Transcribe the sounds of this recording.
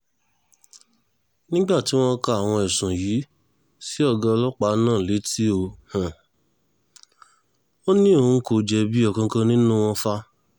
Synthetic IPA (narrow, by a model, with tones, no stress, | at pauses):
nĩ˦ɡ͡ba˦˨ti˨˦w̃ɔ̃˦ka˧a˨w̃ɔ̃˧ɛ˨sũ˨ji˨˦ | si˦ɔ˦˧˨ɡa˧lɔ˦k͡pa˨˦nãː˦˨le˨˦ti˦o˧hã˨ | o˦nĩ˦o˧n̩˦ko˧˨d͡ʒɛ˧bi˦ɔ˦˧˨kã˧kã˦nĩ˦nũ˦w̃ɔ̃˦˧fa˧˦